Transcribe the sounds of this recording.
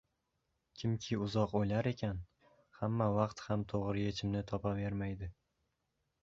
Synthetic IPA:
kʲʰɪmkʲʰɪʊzɒqojlaɾe̞kʲʰan | hamːavɑqt̪hamt̪ʰoʁɾɪje̞t͡ʃʰɪmnɪt̪ʰɒpave̞ɾmajd̪ɪ

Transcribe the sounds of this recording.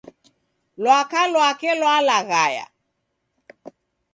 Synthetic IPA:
lwakalwakɛlwalaɣaja̰

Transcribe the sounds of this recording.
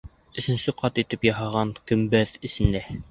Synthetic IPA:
ɵ̆sɘ̆nsɘqɑt̪it̪ɘpjɑɦɑʁɑŋkɵ̆mbæðɘ̆sɘ̆næ

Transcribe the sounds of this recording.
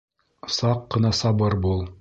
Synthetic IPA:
sɑqːɤ̆nɑsɑbɤɾbulˠ

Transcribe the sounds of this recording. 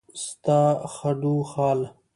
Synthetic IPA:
st̪aːxɐɖuxaːl

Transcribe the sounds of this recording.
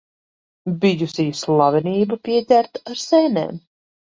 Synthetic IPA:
bijusiːslˠɑvɛniːbapʲiɛt̪ʲæɾt̪aɾsɛnḛːm

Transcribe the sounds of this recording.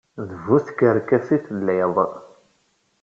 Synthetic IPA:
ðəvuθkəɾkːæsiθlːæjðˤ

